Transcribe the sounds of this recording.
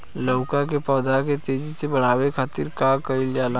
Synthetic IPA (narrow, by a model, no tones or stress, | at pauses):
ləʊkakepɔːd̪aket̪eːd͡ʒisebəɽ̤aːwekʰaːt̪ɪɾkakəɪljaːla